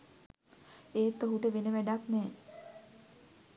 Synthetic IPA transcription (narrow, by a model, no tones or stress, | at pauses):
eːt̪ːəɦuʈəʋenəʋæɖaknɛː